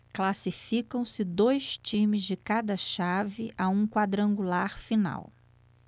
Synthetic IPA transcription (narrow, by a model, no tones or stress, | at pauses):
klasifikɐ̃w̃sɪd̪ojst͡ʃĩmɪzd͡ʒɪkad̪ɐʃavɪʔaũkwad̪ɾɐ̃ŋɡulaɾfina̰w